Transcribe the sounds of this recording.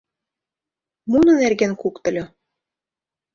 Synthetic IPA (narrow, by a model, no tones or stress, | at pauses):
munɤ̆nærɡænkukt̪ɤ̆lʲɤ̆